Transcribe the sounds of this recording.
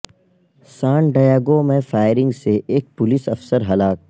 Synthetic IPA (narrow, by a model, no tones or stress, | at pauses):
sãːɳɖaːjaːɡomẽfaːjɪɾɪ̃ŋɡseʔeːk̚pʊlɪsɐfsəɾɦɐlaːk̚